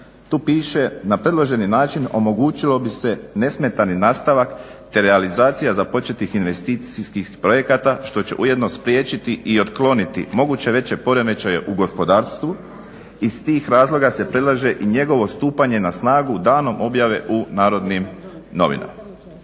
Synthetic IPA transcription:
t̪uːpiːʃe̞napɾe̞d̪lˠoʒe̞ninaːt͡ʃino̞̰mo̞ɡuːt͡ʃilo̞bise̞ne̞sme̞t̪aninaːst̪aʋak | t̪e̞ɾealizaːt̪sijazapo̞t͡ʃe̞t̪ixinʋe̞st̪iːt̪siskixpɾo̞je̞kat̪aʃt̪o̞t͡ɕe̞̰ʔuje̞d̪no̞spɾje̞ːt͡ʃit̪iʔio̞t̪klo̞nit̪ḭmo̞ɡuːt͡ɕe̞ʋe̞t͡ɕe̞po̞ɾe̞me̞t͡ʃaje̞ʔuɡo̞spo̞d̪aːɾst̪ʋu | ist̪iːxɾaːzlˠo̞ɡase̞pɾe̞d̪lˠaʒe̞ʔiɲe̞ɡo̞ʋo̞st̪uːpaɲe̞nasnaːɡud̪aːno̞mo̞bjaʋe̞ʔunaːɾo̞d̪nimno̞̰ʋḭna̰m

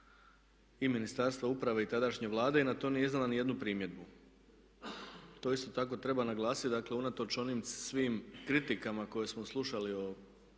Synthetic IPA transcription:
iminist̪aɾst̪ʋaupɾaʋe̞it̪ad̪aʃɲe̞ʋlˠaːd̪e̞enat̪o̞mnijeiznelanije̞d̪nupɾiːmje̞d̪̚bu | t̪o̞ist̪o̞t̪ako̞t̪ɾe̞banaɡlˠaːsit̪d̪akle̞unat̪o̞t͡ʃo̞niːmsʋiːmkɾit̪ikamako̞je̞smoslˠuʃalio

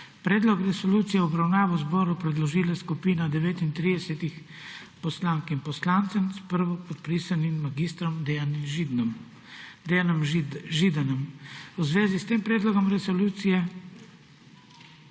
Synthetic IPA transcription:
pɾɛːd̪lɔkɾɛsɔluːt̪sijɛɔbɾawnaːʋɔzbɔːɾupɾɛd̪lɔʒiːlaskupiːnad̪ɛʋeːt̪int̪ɾid̪ɛsɛt̪ix | pɔslaŋkimpɔslaːnt̪sɛmspəɾʋɔpɔt̪̚pɾiːsanimːaɡist̪ɾɔmd̪ɛanimʒ | d̪anɔmʒid̪anɔmwzʋeːzist̪eːmpɾeːd̪lɔɡɔmɾɛsɔluːt̪sijɛ

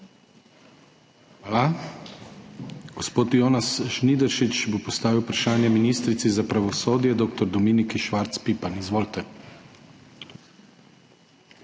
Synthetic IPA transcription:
xʋaːla | ɡ̥ospoːt̪joːnasʃnid̪ɛɾʃit͡ʃbopɔst̪aːʋiwpɾaʃaːnjɛminist̪ɾit̪sizapɾaʋɔsoːd̪jɛd̪oːkt̪ɔɾd̪ɔmiːnikiʃʋaɾt̪spipanizʋoːlt̪ɛ

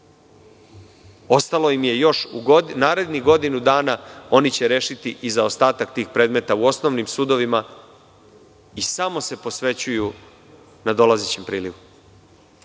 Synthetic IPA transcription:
o̞st̪alo̞imje̞jo̞ʃunaːɾe̞d̪niɡo̞d̪inud̪aːnao̞nit͡ɕe̞ɾe̞ːʃit̪iʔizao̞st̪aːt̪akt̪iːxpɾe̞ːd̪me̞t̪auo̞sno̞ʋnimsuːd̪o̞ʋima | isamo̞se̞po̞sʋe̞t͡ɕuju | nad̪o̞lazet͡ɕempɾiːliʋu

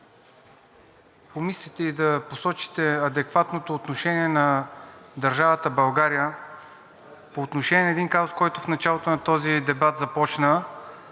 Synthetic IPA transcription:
pomislit̪ɛid̪ɐposɔt͡ʃi̥t̪ɛɐd̪ɛkvat̪not̪oːt̪noʃɛniɛnɐd̪ɐɾʒavət̪əbɐlˠɡaɾijə | poːt̪noʃɛniɛnɐɛːd̪inkazoskɔjt̪ʊfnɐt͡ʃalˠot̪onɐt̪ɔzid̪ɛbat̪zɐpɔt͡ʃnə

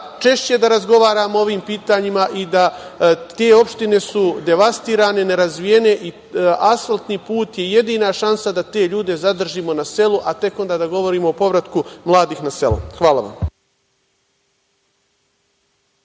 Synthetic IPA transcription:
t͡ʃe̞ʃt͡ɕe̞d̪aɾazɡo̞ʋaːɾaːmoo̞ʋiːmpiːt̪aːɲimaʔid̪at̪e̞ːo̞pʃt̪ine̞sud̪e̞ʋast̪iːɾaːne̞ne̞ɾazʋije̞ne̞ʔi | asfalˠt̪niːpuːt̪je̞je̞d̪iːnaʃansad̪at̪e̞ːʎuːd̪e̞zad̪r̩ʒiːmo̞nase̞luʔat̪e̞ko̞nd̪aːd̪aɡo̞ʋo̞ɾiːmoopo̞ʋɾat̪kumlˠaːd̪iːxnase̞̰lṵxʋaːla̰ʋa̰m

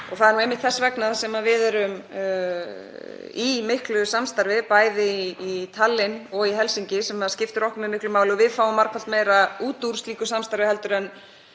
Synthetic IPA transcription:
ɔ̰ɣθaðɛɾnuejmːɪht̪θɛsːvɛknaðsɛmavɪðɛɾʏm | imɪhklʏsamst̪aɾvɪpaːjðɪit̪ʰalːɪnɔɣiɦɛlsiɲcɪsɛmaðscɪft̪ʏɾɔhkʏmimɪhklʏmaːwlɪɔvɪðfaːwʏmːaɾ̥kʰval̥t̪mejɾauːt̪uɾ̥st̪liːkʏsamst̪aɾvɪhɛlt̪ʏɾɛnː

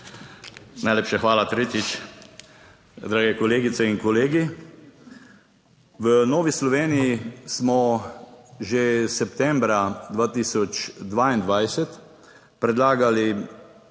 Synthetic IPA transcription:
najleːpʃɛxʋaːlat̪ɾeːt̪it͡ʃ | d̪ɾaːɡɛkɔleːɡit̪sɛiŋkɔleːɡi | ʋənoːʋislɔʋeːnijismɔ | ʒesɛpt̪ɛmbɾad̪ʋaːt̪iːsɔt͡ʃd̪ʋaːind̪ʋajsɛt̪ | pɾɛd̪laːɡali

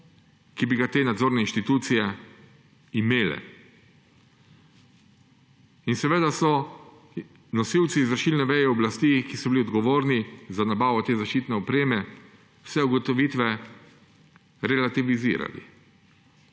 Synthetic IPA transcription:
kibiɡat̪eːnad̪zoːɾnɛinʃt̪it̪uːt̪sijɛ | imeːlɛ̰ | insɛʋeːd̪asɔ | nɔsiwt̪siːzʋəɾʃiːlnɛʋɛjɛɔblast̪iːkisɔbiliɔd̪ɡɔʋoːɾnizanabaːʋɔt̪eːzaʃt͡ʃiːt̪nɛɔpɾeːmɛ | wsɛuɡɔt̪ɔʋiːt̪ʋɛ | ɾɛlat̪iʋizḭːɾa̰lḭ

